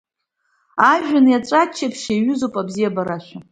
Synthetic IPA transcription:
aʒᶣanjaʈ͡ʂʷʼat͡ʃʰːapʰʃajɥʏzopʼabzijabaɾaʃʷᶣa

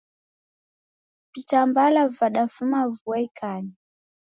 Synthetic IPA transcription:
pit͡ʃambalavaɗafumavuaikʰaɲi

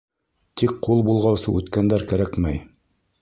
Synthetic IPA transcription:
t̪ik̚qulˠbulˠʁɑwsɤʉt̪kænd̪æɾkæɾækmæj

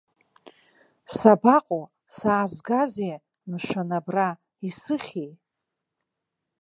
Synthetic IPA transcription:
sabaqʼo | saːzɡazi | nɨʂanabra | isɨχʲej

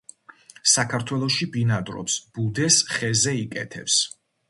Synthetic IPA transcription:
sakʰaɾt̪ʰwɛlˠɔʃibinad̪ɾɔ̰psb̥ud̪ɛsχɛzɛikʼɛ̰t̪ʰɛ̰ps

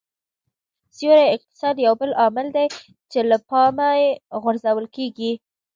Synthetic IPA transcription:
sjoɾaɪq̚t̪ɪ̥sɑd̪jawbəlʔɑmɪld̪aj | t͡ʃelapɑmajeɣʊɾzawəlkeɡi

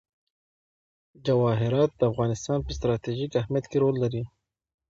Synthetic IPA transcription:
d͡ʒawɑɦɪɾɑt̪̚d̪əafɣɑnɪst̪ɑnpəst̪ɾɑt̪iʒikahmjat̪keɾolːaɾi

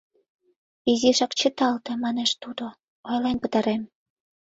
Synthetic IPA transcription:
iziʃɑkt͡ɕət̪ɑlt̪ĕmɑneʃt̪ud̪o | ojlenpə̆t̪ɑɾem

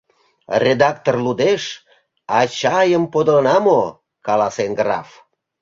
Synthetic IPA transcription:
rʲed̪ɑkt̪orlud̪eʃ | ɑt͡ɕɑjəmpod̪onɑmo | kɑlɑsenɡrɑf

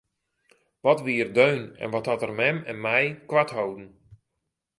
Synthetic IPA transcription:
ʋɔtʋiːərdøɥnɛ̰nʋɔthɔtərmɛmɛnmɛjkʋathowdn̩

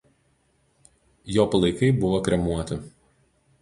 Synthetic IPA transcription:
joːpɐlˠɐɪkɐɪbʊʋokɾʲɛmuɔt̪ʲɪ

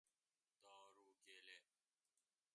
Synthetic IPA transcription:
d̪aːɾuːɡeːleː

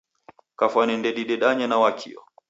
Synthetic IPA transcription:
kafwanɛndɛɗiɗɛɗaɲanawakʰḭɔ̰

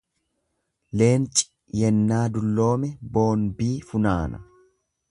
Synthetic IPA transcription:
le̞ːnt͡ʃʼɪ̥ | jɛnːaːd̪ʊlːo̞ːmɛbo̞ːnbiːfʊnaːnɐ̰

